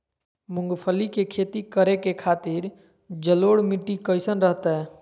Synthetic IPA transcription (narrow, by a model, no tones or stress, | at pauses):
mʊ̃ŋɡpʰəlikekʰeːt̪ikəɾekekʰaːt̪ɪɾ | d͡ʒəloːɽmiʈːikəɪsənɾəɦt̪aɦɛː